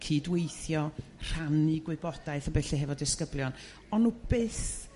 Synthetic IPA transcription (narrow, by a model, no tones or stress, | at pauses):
kʰiːdwejθjɔr̥anɨɡwɨbɔd̥aɨθəbɛɬɛɦɛvɔdɪskəblˠjɔn | ɔnːub̥ɪθ